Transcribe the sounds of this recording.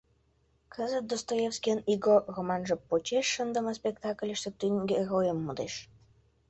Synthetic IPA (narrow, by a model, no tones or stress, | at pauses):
kʰəzə̆t̪̚d̪ost̪ojefskʲeniɡoromɑnʒə̆pot͡ɕeʃːənd̪ə̆mə̆spʲekt̪ɑklʲəʃt̪ə̆t̪yŋɡʲerojə̆mːud̪eʃ